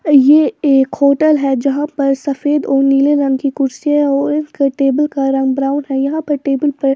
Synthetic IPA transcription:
jeːeːkhoːʈəlɦɛd͡ʒɐɦãpɐɾsɐfeːd̪ɔːɾniːleɾɐ̃ŋɡkikʊɾsiɛɔːɾɪnkʈeːbəlkaɾɐ̃ŋɡbɾaːʊ̃nɦɛjɐɦãpɐɾʈeːbəlpɐɾ

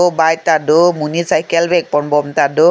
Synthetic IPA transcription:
obajt̪adʊmunisajkɛlbɛk̚pɔnbɔmtadʊ

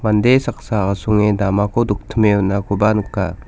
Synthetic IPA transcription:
mand̪esak̚saasuŋedamakoduk̚t̪ʰəmeunːakubanukːa

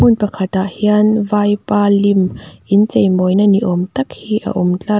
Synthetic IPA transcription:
unpɐkʰɐt̪aʔhiɐnvaːjpaːlimʔint͡sejmɔjnaniʔɔmt̪ɐk̚hiːʔɐ̰ʔumt͡ɬɐ

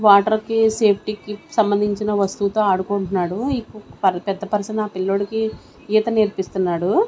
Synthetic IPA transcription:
ʋaːʈɐɾkise̞ːpʰʈikisɐmbɐnd̪ʱiɲt͡ʃinɐʋɐst̪ut̪o̞ːaːɽukoːɳʈunːaːɽuikːupɐpɛd̪ːɐpɐɾsɐnaːpilːoɽiki | iːt̪ɐniɾpist̪unːaːɽu

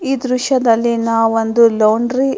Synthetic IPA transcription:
iːd̪ɾuʃɐd̪ɐlːinaːʋond̪uloːɳɖɾi

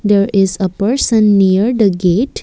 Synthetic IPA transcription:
d̪eɾɪzəpəɾsə̃nːijəɾd̪əɡeʈ

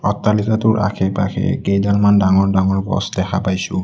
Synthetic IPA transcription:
ɔtːalitatʊɹʔa̰kʰɛpaxʰɛ̰kejdalmandaŋɔɹdaŋɔɹbɔ̰sdɛxʰapajsʊ

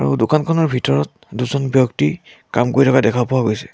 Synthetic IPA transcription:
aɹṵdokankʰɔnɔɹbʱitɔɹɔt̚ | duzɔnbjɔkti | kamkoɹitʰɔkadɛkʰapɔwaɡojsɛ̥

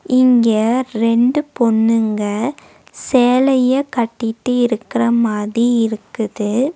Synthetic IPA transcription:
ɪŋɡɐɾɛɳɖɯpɔnːɯŋɡɐ | seːlɐjɐkɐʈːɪʈːɯɪɾɯkːɪrɐmaːðɾiɪɾɯkːɯðɯ

